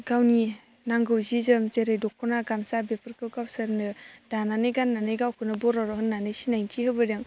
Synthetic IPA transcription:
ɡ̥awni | naŋɡɯwzizɯmzeɾejdɔkʰːɔnaɡamsabepʰɯɾkɯɡawsɯɾnɯd̥ananɯjɡanːanɯjɡawkʰɯnɯbɔɾɔɾɔɦɯnːanɯjsinajntʰihɯbɯɾeŋ

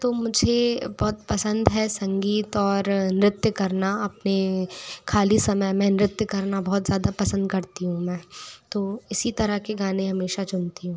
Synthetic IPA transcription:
t̪oːmʊd͡ʒʱebɔɦt̪pɐsə̃nd̪ɦɛsɐ̃ŋɡiːt̪ɔːɾnɪɾɪt̪jəkɐɾnaɐpnekʰaːlisɐməjmɛ̃ːnɪɾɪt̪jəkɐɾnabɔɦːt̪zjaːd̪apɐsə̃nd̪kɐɾt̪iɦũmɛ̃ːt̪oːɪsit̪ɐɾəɦkeɡaːnẽɦɐmeːʃat͡ʃʊnt̪iɦũː

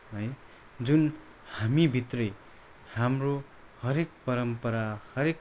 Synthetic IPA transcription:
ɦʌj | d͡zun | hamibʱit̪rʌj | hamro | hʌɾek̚pʌɾʌmpʌɾahʌɾek

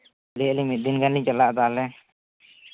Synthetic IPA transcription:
lilimit̪̚d̪inɡanliɲt͡ʃalaʔd̪alɛ

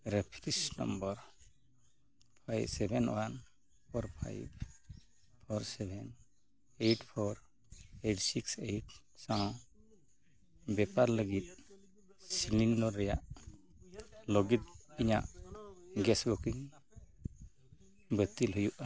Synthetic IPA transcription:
ɾɛpʰɾisnɔ̰mbəɾ | pʰajbsɛbʱɛnwan | pʰɔɾpʰa̰jb | pʰɔɾsɛbʱɛn | eʈpʰɔɾ | ejʈsikseʈ | sãw | bɛpaɾləɡit̪̚ | silinnɔɾɛjaʔ | lɔɡit̪̚iɲa̰ʔ | ɡɛsbɔkiŋ | bət̪ilɦujuʔa

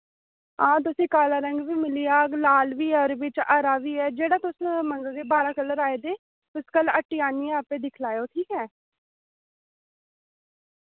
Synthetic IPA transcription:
ãːt̪ʊsĩːkaːlaːɾəŋɡʋiːmɪlijaːklaːlʋiːɔɾʋɪt͡ʃəɾaːʋiːɛːd͡ʒeːɽaːt̪ʊsməŋɡəld̪eːbaːɾaːkələɾaːeːd̪eː | t̪ʊskələʈːiːaːniːɛ̃ːəpeːd̪ɪkʰlaːjoːʈ̪ʰiːkɛː

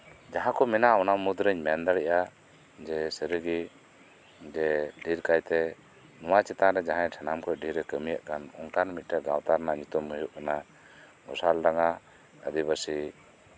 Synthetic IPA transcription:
d͡ʒaɦãkɔmɛnaɔnamud̪ɾəɲmɛnd̪aɽɛʔa | d͡ʒɛsəɾəɡi | d͡ʒɛɖʱiɾkajt̪ɛ | nɔwat͡ʃɛt̪ãɾɛd͡ʒaɦãɲʈʰanamkɔɖʱiɾɛkəmijaʔkanɔŋk̪aɾnmit̪̚ˀʈɛɡawt̪aɾnaɲut̪ɔmːujuʔ̚ana | ɡɔsalɾaŋa | ə̰d̪ibəsi

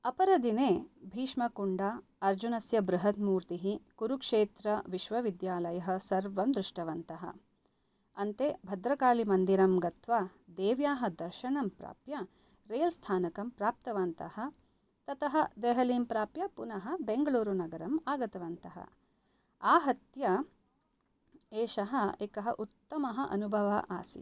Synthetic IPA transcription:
ɐpɐɾɐd̪ineːbʱiːʂmɐkuɳɖa | ɐɾd͡ʒunɐsjɐbɾuɦɐt̪muːɾt̪iɦikuɾukʂeːt̪ɾɐʋiʃʋɐʋid̪jaːlɐjɐɦɐ̆sɐɾʋɐmd̪ɾɪʂʈɐʋɐnt̪ɐɦɐ̰ | ɐnt̪ebʱɐd̪ɾɐkaːɭimɐnd̪iɾɐmɡɐt̪ʋad̪eːʋjaːɦɐ̆d̪ɐɾʃɐɳɐmpɾa̰ːpjɐ | ɾeːlst̪ʰaːnɐkɐmpɾaːp̚t̪ɐʋɐnt̪ɐhɐ̆ | t̪ɐt̪ɐɦɐd̪eːɦɐliːmpɾaːpjɐpunɐɦɐ̆beŋɡɐɭuːɾunɐɡɐɾɐmaːɡɐt̪ɐʋɐnt̪ɐɦɐ̰ | aːɦɐt̪jɐ | eːʃɐɦɐeːkɐɦɐʔut̪ːɐmɐɦɐʔɐ̰nubʱɐʋɐ̰ʔa̰ːsḭ

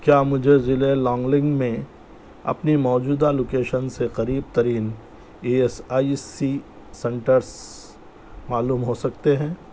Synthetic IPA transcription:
kjaːmʊd͡ʒʱezɪlelɔ̃ːŋɡlɪ̃ŋɡmẽ | ɐ̰pnimɔːd͡ʒuːd̪aloːkeːʃənseqɐɾiːb̚t̪ɐɾiːn | eːesaːisi | sɛ̃ɳʈəɾs | maːluːmɦosɐk̚t̪eɦɛ̃ː

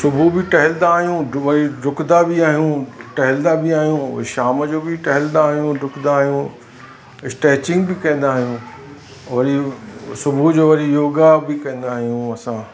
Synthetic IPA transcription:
sʊbʱubɪʈɐɦɪlnd̪aːɦijũʋɐɾiɖʱʊkd̪abɪaːɦijũʈɐɦɪld̪abɪaːɦijũʊ̰ɦeʃaːməd͡ʑoːbɪʈɐɦɪlnd̪aːɦijũɖʱʊkd̪aːɦijũ | ɪsʈɛːt͡ɕɪ̃ŋɡbɪkɐ̃ĩːn̆d̪aːɦijũ | ʋɐɾisʊbʱud͡ʑoːʋɐɾijoːɡabɪkɐ̃ĩːn̆d̪aːɦijũɐsãː

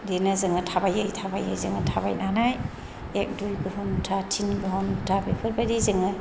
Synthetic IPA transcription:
denazɯŋɯtʰabajɯjtʰabaja̰jzɯŋɯtʰaba̰jnanaj | ek̚dujɡɯɦɔmtʰatʰinɡɯɦɔmtʰabepʰɯɾbadizɯŋɯ

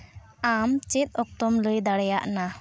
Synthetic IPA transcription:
amt͡ʃɛt̪̚ˀɔk̚t̪ɔmləjd̪aɽɛjaʔna

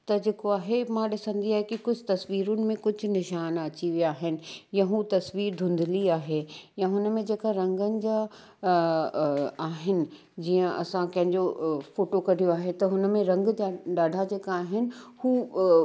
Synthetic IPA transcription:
t̪ɐd͡ʑeːkoaːɦemãɗɪsə̃nd̪ʱiaːɦekikʊd͡ʑʱt̪ɐsʋiːɾʊnɪ̆mẽkʊd͡ʑʱʊ̆nɪʃaːnɐt͡ɕiʋijaːɦɪnɪ̆jɐ̃ɦũt̪ɐsʋiːɾd̪ʱʊ̃nd̪ʱɪliaːɦejãɦʊnəmẽd͡ʑeːkaɾɐ̃ŋɡənɪ̆d͡ʑa | aːɦɪnɪ̆ | d͡ʑiːə̃ʔɐsãkɐ̃ɦɪ̃ɲd͡ʑofoːʈokɐɽ̤ʱijoaːɦet̪ɐɦʊnəmẽɾɐ̃ŋɡd͡ʑaɗaːɖʱad͡ʑeːkaːɦɪnɪ̆huː

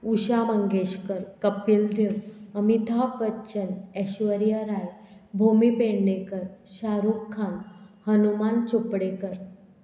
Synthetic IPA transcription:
uɕaməŋɡeɕkəɾkəpild̪ʱewəmit̪ʰaʋətːɕənɛɕʋəɾjaɾajbʱumipeɽnekəɾɕaɾukʰːãnhənumant͡ɕopɽekəɾ

